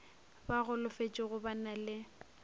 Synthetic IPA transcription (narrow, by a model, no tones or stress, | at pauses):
baɣʊlʊfet͡ʃʼɪɣʊbanalɪ